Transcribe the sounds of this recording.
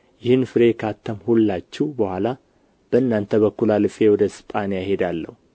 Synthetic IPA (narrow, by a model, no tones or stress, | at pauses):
jɪhɨnːfɨɾe̞kʰat̪ʰːəmhulːat͡ʃːɛhubəhʷala | b̥əɨnːant̪ʰəβəkːulalɨfʼe̞wɔd̪əsɨ̥pʼanijahe̞d̪alːə̰hu